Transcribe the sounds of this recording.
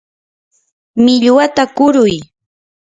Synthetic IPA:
mɪʎwat̪akʊɾʊj

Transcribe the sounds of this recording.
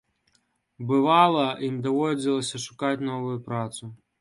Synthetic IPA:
bɨvalˠɐʔinʲd̪ɔvɔd͡zʲilˠɐsʲɐʂukat͡sʲnɔvʊjʊpɾat̪sʊ

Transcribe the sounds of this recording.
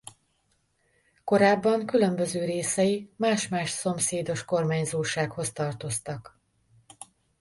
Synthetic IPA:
ko̞ɾaːbːɒŋkylømbøzøːɾeːsɛjimaːʃmaːʃso̞mseːd̪o̞ʃko̞rmaːɲzoːʃaːkho̞st̪ɒrt̪o̞st̪ɒk

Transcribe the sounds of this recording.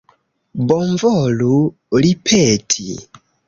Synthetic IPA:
bɔɱvɔlu | lipʰɛtʰḭ

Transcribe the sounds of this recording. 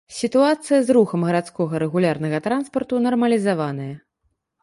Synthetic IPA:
sʲit̪uat̪sɨjɐzɾuxɐmɣɐɾat̪skɔɣɐɾɛɣulʲarnɐɣɐt̪ɾanspɐrt̪unɐrmɐlʲizavanɐjɐ

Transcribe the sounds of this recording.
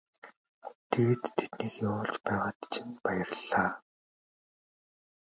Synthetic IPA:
t̪ʰeɣeːt̪ʰːet̪niːkjawʊːɮt͡ɕpæːʁaːt̪t͡ɕʰinpajə̆rɮaː

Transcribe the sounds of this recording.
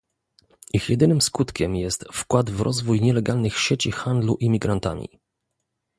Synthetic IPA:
ixjɛd̪ɘnɘmskut̪kʲɛmjɛst̪fkwad̪vɾʔɔzvujɲɛlɛɡalnɘxɕet͡ɕixand̪luʔimʲiɡɾant̪a̰mʲḭ

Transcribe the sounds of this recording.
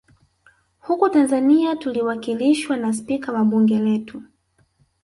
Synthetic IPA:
hukutanzaniatuliwakiliʃwanas̬pikawaɓuŋɡɛlɛtu

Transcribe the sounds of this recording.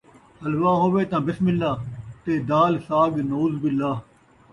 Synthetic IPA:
həlʋaːɦoːʋeːt̪ãːbɪsmɪlːaːt̪eːd̪aːlsaːɡnoːzbɪlːaː

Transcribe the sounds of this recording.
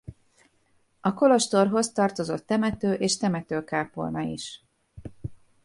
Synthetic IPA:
ɒko̞lo̞ʃt̪o̞rɦo̞st̪ɒrt̪o̞zo̞t̪ːɛmɛt̪øːʔeːʃt̪ɛmɛt̪øːkaːpo̰lnɒḭʃ

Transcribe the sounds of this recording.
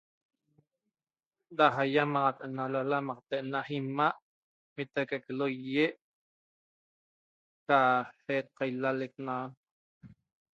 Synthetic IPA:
d̪aɦajamɑʁɑt̪ʔenalalamɑqt̪eʔnaχimaʔ | mit̪akakelojjeʔ | kahet̪̚qɑjlalek̚nan

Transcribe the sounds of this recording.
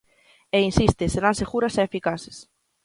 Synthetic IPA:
einsist̪esenaseɣuɾasɛefikase̥s

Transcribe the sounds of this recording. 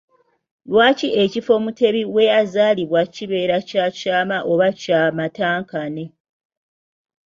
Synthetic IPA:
lwaːciʔe̞cifo̞ːmute̞βiwe̞jazaːliβwaciβe̞ːɾacacaːmaʔo̞βacaːmataːŋkane̞

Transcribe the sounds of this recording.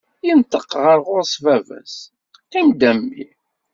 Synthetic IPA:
jənt̪əqʁəɾʁʊɾsvævæ̰s | θind̪æmːḭ

